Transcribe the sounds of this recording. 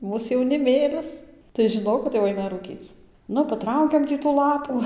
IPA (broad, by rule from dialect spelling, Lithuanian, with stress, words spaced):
ˈmuːs jɛʊnʲɪˈmʲeːlʲɪs tɐɪ ʒʲɪˈnoːk kɐt jɛʊ ˈɐɪnɐ ruːˈkʲiːt͡s ˈnʊ pɐˈtrɐʊkʲɛm ˈtʲiː tuː ˈlˠɑːpuː